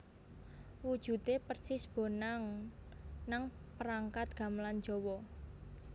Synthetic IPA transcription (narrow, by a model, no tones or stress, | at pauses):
wud̥ʒ̥ṳt̪epərt͡ʃɪsb̥o̤naŋ | naŋpəɾaŋkat̪̚ɡ̥a̤mland͡ʒɔwɔ